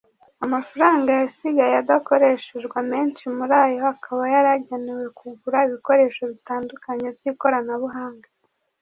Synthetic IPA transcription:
amafaɾaːŋɡajasiɡajjad̪ako̞ɾe̞ʃeʒɡwame̞ːnt͡ʃimuɾaːjo̞akʰaβajaɾaɟeniwe̞kuɡuɾaiβiko̞ɾe̞ːʃo̞βitaːndukaɲe̞vjiko̞ɾanaβuɦaːŋɡa

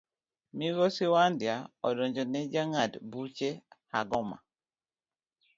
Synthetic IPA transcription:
miɡɔsiwandjaɔdɔɲd͡ʒɔnɛd͡ʒaŋadbut͡ʃeha̰ɡɔma̰

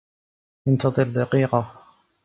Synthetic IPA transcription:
jant̪ɑðˤɨɾd̪aqiːqɑ

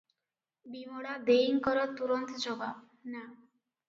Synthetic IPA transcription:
bimɔɽad̪eiŋkɔɾɔt̪uɾɔnt̪ɔd͡ʒɔbʱab | na

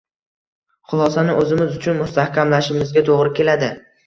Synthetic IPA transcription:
χʊlˠɒsanɪʔɵzɪmɪzʊt͡ʃʰʊnmʊst̪ahkʲʰamlaʃɪmɪzɡʲat̪ʰoʁɾɪkʲe̞lad̪ɪ

